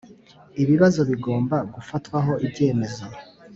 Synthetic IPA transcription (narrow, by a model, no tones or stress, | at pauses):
iβiβazo̞βiɡo̞ːmbaɡufatwaɦo̞ʔibɟe̞ːme̞zo